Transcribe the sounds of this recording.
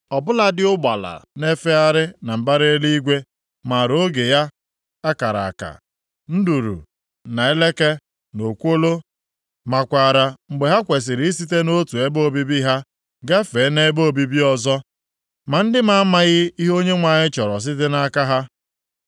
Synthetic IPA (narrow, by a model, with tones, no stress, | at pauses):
ɔ˨bʊ˦la˦dɪ˦ʊ˦ɡ͡ba˨la̰˨ne˦fe˦a˦ɾɪ˦na˨m̩˨ba˦ɾe˦li˦i˦ɡʷe˦ | ma˨ɾo˦ɡe˨ja˦ | a˦ka˨ɾa̰˨a˨ka̰˨ | n̩˦du˨ɾṵ˨ | na˨e˦le˦ke˦ | no˨kʷo˦lo˦ | ma˨kʷa˨ɾa˨ŋ͡m̩˨ɡ͡be˨ɦa˦kʷe˨s̬ɪ˨ɾi˨˦s̬i˦te˦no˦tu˨e˦bo˦˨bi˦bi˦ɦa˦ | ɡe˦fe˨˦ne˦bo˦o˨bi˦bi˦ɔ˨zɔ˦ | ma˨n̩˦dɪ˦ma˦a˦ma˦ɣɪ˦i˦ɦo˦ɲe˦ŋʷa˨ɲɪ˦t͡ʃɔ˨ɾɔ˨s̬ɪ˦t̬ɪ˦na˦ka˦ɦa˦